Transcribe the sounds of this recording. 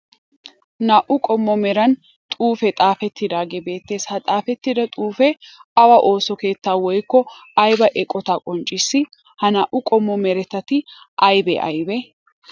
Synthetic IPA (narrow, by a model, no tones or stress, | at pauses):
naːʔʊkʼɔmːɔmɛɾɐn | t̪ʼuːfɛt̪ʼaːfɛt̪ːɪd̪aːɡebe̞ːt̪ːe̞ːshɐt̪ʼaːfɛt̪ːɪd̪ɐt̪ʼuːfɛɐwɐʔo̞ːsɔke̞ːt̪ːaːwɔjkːɔɐjbɐʔɛkʼːɔt̪aːkʼɔnt͡ʃʼːɪsːɪ | hɐnaːʔʊkʼɔmːɔmɛɾɛt̪ːɐt̪ɪ | ʔɐjbɛ̰ʔɐ̰jbɛ